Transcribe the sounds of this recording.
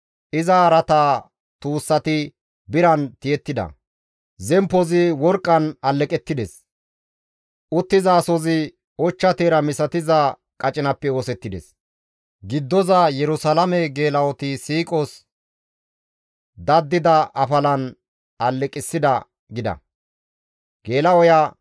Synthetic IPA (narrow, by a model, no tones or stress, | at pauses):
ʔɪzɐɾɐt̪aː | t̪uːsːɐt̪ɪ | bɪɾɐnt̪ɪjɛt̪ːɪd̪ɐ̰ | zɛmpːɔzɪwɔɾkʼːɐnɐlːɛkʼɛt̪ːɪd̪ɛs | ʔʊt̪ːɪzɐːsɔzɪ | ɔt͡ʃːɐt̪eːɾɐmɪsɐt̪ɪzɐ | kʼɐt͡ʃʼɪnɐpːɛoːsɛt̪ːɪd̪ɛ̰s | ɡɪd̪ːɔzɐjɛɾʊsɐlɐmɛɡe̞ːlɐwɔt̪ɪsiːkʼɔs | d̪ɐd̪ːɪd̪ɐʔɐfɐlɐn | ɐlːɛkʼɪsːɪd̪ɐ | ɡɪd̪ɐ̰ | ɡ̥e̞ːlɐwɔja